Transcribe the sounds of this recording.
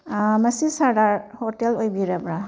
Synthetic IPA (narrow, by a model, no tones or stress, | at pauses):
mɐsisaɾdaɾhɔtelojbiɾabɾa